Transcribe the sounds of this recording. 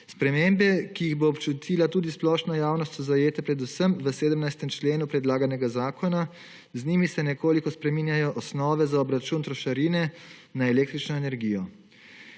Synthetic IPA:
spɾɛmeːmbɛkijiɣboːpt͡ʃut̪ʰiːlat̪uːd̪isplɔʃnɔjaːwnɔst̪sɔzajeːt̪ɛpɾɛd̪usəmʋəseːd̪əmnajst̪ɛmt͡ʃleːnupɾɛd̪laːɡanɛɡazaːkʰɔna | zniːmisɛnɛkoːlikɔspɾɛmiːnjajɔʔɔsnɔːʋɛzaɔbɾat͡ʃunt̪ɾɔʃaɾiːnɛnaɛleːk̚t̪ɾit͡ʃnɔenɛɾɡiːjɔ

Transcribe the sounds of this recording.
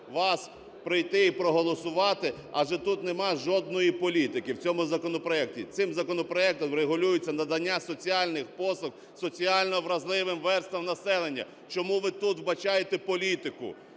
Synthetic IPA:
ʋɑs | pɾɪjt̪ɪipɾɔɦɔlˠɔsʊʋɑt̪ɪ | ɐʒɛt̪ut̪nemɑʒɔd̪nɔjipɔlʲit̪ɪkɪwt͡sʲɔmʊzɐkɔnɔpɾɔɛktʲḭsɪmzɐkɔnɔpɾɔɛk̚t̪ɔɾeɦʊlʲujʊt͡sʲːɐnɐd̪ɐnʲːasɔt͡sʲiɑlʲnɪxpɔsˠɔk̚ | sɔt͡sʲiɑlʲnɔʋɾɐzlˠɪʋɪmʋɛrst̪ɐmnɐsɛlˠenʲːɐ̰ | t͡ʃɔmuʋɪt̪ut̪wbɐt͡ʃɑjet̪ɛpɔlʲit̪ɪkʊ̰

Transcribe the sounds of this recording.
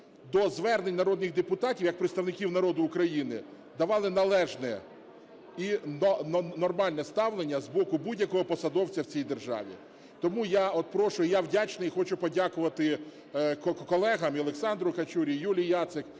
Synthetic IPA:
d̪ɔzʋɛrnenʲnɐɾɔd̪nɪɣd̪epʊt̪ɑtʲiwjɐk̚pɾeɪt̪st̪ɐwnɪkʲiwnɐɾɔd̪ʊːkɾɐjinɪ̰ | d̪ɐʋɑlˠɪnɐlˠɛʒnɛ | innɔrmɑlʲnɛst̪ɑwlˠenʲːɐzbɔkʊbudʲjɐkɔɦɔpɔsɐd̪ɔwt͡sʲɐwt͡sʲijd̪erʒɑ̰ʋʲḭ | t̪ɔmujaɔt̪̚pɾɔʃʊjawdʲat͡ʃnɐixɔt͡ʃʊpɔdʲakʊʋɐt̪ɪ | kɔkkɔlˠɛɦɐmiɔlˠeksɑnd̪ɾʊkɐt͡ʃuɾʲijulʲijjat̪sɪk

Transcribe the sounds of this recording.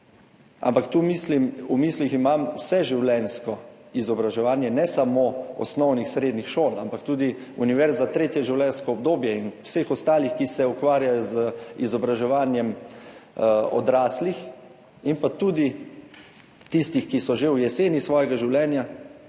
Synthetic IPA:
ʔa̰mpakt̪uːmislimumiːsliximamusɛʒiwlɛnskɔizɔbɾaʒɛʋaːnjɛnɛsamoɔ̰snɔwnixsɾeːd̪nixʃoːla̰mpakt̪uːd̪i | ṵniʋɛɾzzat̪ɾet̪jɛʒiwlʲɛnskɔɔb̚d̪oːbjɛinusexɔst̪aːlixkisɛukʋaːɾjajɔzizɔbɾaʒɛʋaːnjɛm | ɔ̰d̪ɾaːslix | impat̪uːd̪i | t̪ist̪ixkisɔʒewjɛseːnjisʋɔːjɛɡaʒiwlɛːnja

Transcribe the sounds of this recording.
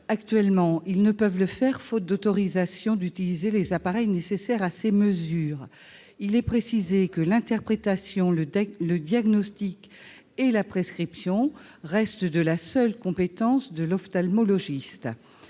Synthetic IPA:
ak̚t̪ɥɛlmɑ̃ilnəpœvləfɛʁfot̪̚d̪ot̪ɔʁizasjɔ̃d̪yt̪ilizelezapaʁɛjnesesɛʁaseməzyːʁ | ilɛpχesizekəlɛ̃t̪ɛʁpχet̪asjɔ̃lələd̪jaɡnɔst̪ik | elapχeskχipsjɔ̃ | ʁɛst̪d̪əlasœlkɔ̃pet̪ɑ̃sd̪əlɔft̪almɔlɔʒist̪

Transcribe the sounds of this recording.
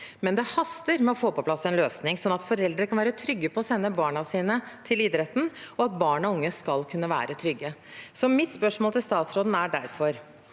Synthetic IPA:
mɛnd̪ɛhɑst̪əɾmɛɔfoːpɔpʰlɑsːɛnløːsnɪŋsɔnːɑt̪fɔɾɛld̪ɾəkʰɑnʋæːɾət̪ʰɾʏɡːəpʰɔːsɛnːəbɑːɳɑsiːnət̪ʰɪlɪd̪ɾɛt̪ːn̩ɔɑt̪̚bɑːɳɑʊŋːəskɑlkʰʉnːəʋæ̰ːɾət̪ʰɾʏɡːəsɔmɪt̪spœʂmɔlt̪ɪlst̪ɑːt̪sɾoːd̪n̩æɖæ̰ɾfɔɾ

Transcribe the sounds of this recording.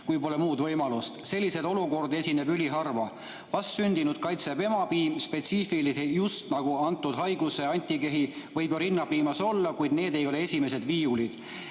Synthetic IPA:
kujpo̞le̞muːd̪vɤjmɑlust̪se̞lʲːise̞d̪o̞luko̞rd̪e̞sʲine̞bylʲiɦɑrvɑ | vɑst̪synʲd̪̥inud̪̥̚kɑjt̪sepe̞mɑbiːmspe̞t̪siːfilisejust̪nɑɡ̥uɑnt̪ːˑud̪̥ɦɑjɡ̥use̞ɑnʲt̪ʲːˑike̞ɦi | vɤjboɾinːɑpiːmɑso̞lːɑkujd̪̥ne̞ːd̪e̞jo̞le̞esʲime̞se̞d̪viːulid̪̥

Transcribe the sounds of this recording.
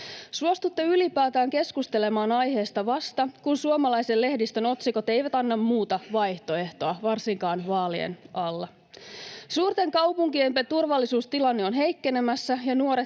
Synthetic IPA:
suost̪ut̪ːeylipæːt̪æːŋke̞skust̪ele̞mɑːnɑjɦe̞ːst̪ɑʋɑst̪ɑkunsuomɑlɑjse̞lle̞hdist̪øno̞t̪siko̞t̪e̞jʋæt̪ɑnːɑmmuːt̪ɑʋɑjht̪o̞e̞ht̪o̞ɑʋɑrsiŋkɑːnʋɑːliḛnɑlːɑ | suːrt̪e̞ŋkɑwpuŋkiempet̪urʋɑlːisuːst̪ilɑnːeo̞nɦe̞jkːe̞nemæsːæjɑnuo̞ɾe

